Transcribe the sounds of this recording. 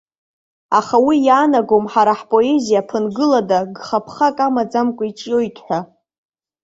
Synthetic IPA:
aχawijaːnaɡo̞mħaɾaħpʼo̞e̞zijapʰɨnɡɨladaɡχapʰχakʼamad͡zamkʷʼait͡ʃʼjo̞jtʰʼħʷa

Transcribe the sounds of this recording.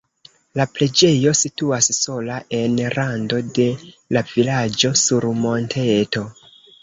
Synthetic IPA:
lapɾe̞d͡ʒe̞jo̞situasːo̞laʔe̞nɾando̞de̞lavilad͡ʒo̞suɾmo̞ntʰeto̞

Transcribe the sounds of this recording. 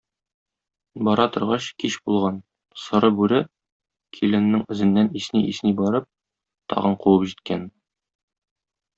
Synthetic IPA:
bɒɾɑt̪ŏɾʁɑɕkiɕbulˠʁɑn | sɤ̆ɾɤbʉɾɘ | kʰilɘ̆nːɘŋɘ̆zɘ̆nːænisniʔisnibɒɾɤp̚ | t̪ɒ̰ʁɤɴquwɤpʑit̪̚kæn

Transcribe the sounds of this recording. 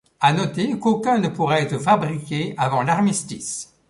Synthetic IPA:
anɔt̪ekokʲɛ̃nəpuʁaɛt̪χəfabʁikʲeavɑ̃laʁmist̪is

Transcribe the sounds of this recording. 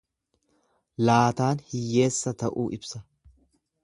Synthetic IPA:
laːt̪aːnhɪjːe̞ːsːɐt̪ɐʔuːʔɪbsɐ

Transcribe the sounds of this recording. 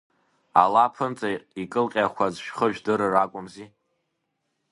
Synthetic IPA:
a̰lapʰɨnt͡sʼaikʼɨlqʲʼaχʷazʃᶣχəʒᶣdɨɾɨrakʷʼʊmzi

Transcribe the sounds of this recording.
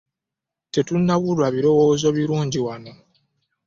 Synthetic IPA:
te̞tunːaβulwaβiɾo̞woːzo̞βiɾuːɲɟiwano̞

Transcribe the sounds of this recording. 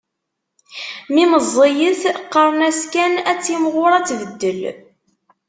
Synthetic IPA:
miməzˤːijəθqːəɾˤnæskænæt͡sːimʁʊɾˤæt͡sːvəd̪ːəl

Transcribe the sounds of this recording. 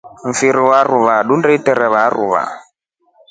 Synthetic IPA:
m̩fiɾiwaɾuβaɗundɛitɛɾɛβaɾṵβa̰

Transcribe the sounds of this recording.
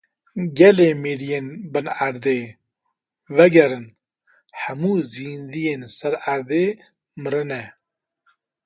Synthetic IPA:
ɡɛleːmeːɾijeːnbɨnaɾd̪eː | vɛɡɛɾɨn | hæmuːziːnd̪ijeːnsɛɾaɾd̪eː | mɨɾɨnɛ

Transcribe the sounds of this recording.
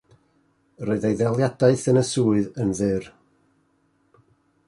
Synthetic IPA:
roɨðejðɛlˠjadaɨθənəsuːɨðənðɨr

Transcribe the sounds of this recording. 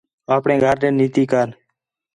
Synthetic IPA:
aːpɳẽːɡʱəɾnẽːniːt̪iːkaːn

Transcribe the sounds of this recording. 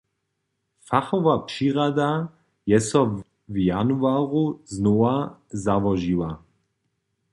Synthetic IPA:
faxɔvapʃiːʁad̪a | jɛsɔ | vjanuaːʁuznoazavɔʒiwa

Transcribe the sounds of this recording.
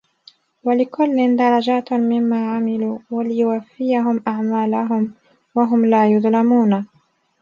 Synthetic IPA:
walɪkʊlːɪnd̪ɑɾˤɑd͡ʒaːt̪mɪmːaːʕamɪluːwalɪjʊwafːɪjaɦʊmʔaʕmaːlaɦʊm | waɦʊmlaːjʊðˤlamuːna

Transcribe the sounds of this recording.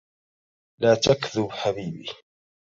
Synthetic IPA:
laːt̪akðʊbħabiːbḭ

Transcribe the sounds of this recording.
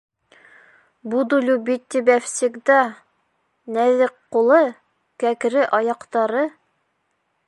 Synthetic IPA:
bud̪ulʲubit̪ʲːibæfsikd̪ɑ | næðɘqqːulˠɤ | kækɾɘʔɑjɑqt̪ɑɾɤ

